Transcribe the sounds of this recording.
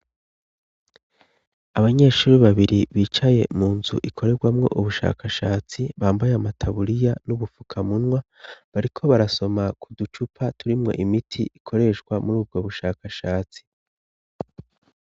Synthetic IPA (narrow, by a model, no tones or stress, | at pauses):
aβaɲe̞ʃuːɾiβaβiɾiβiːt͡ʃaje̞̰muːnzṵʔikʰo̞ɾe̞ɡwamŋo̞̰ʔuβuʃa̰ːkʰaʃaːt͡siβaːmbajamatʰaβuɾijanuβufu̥kʰamunŋwa | βaɾikʰo̞βaɾaso̞makudut͡ʃupʰatuɾimŋo̞̰ʔimitʰiʔikʰo̞ɾe̞ʃɡwamuɾuːb̚ɡo̞βuʃaːkaʃaːt͡si̥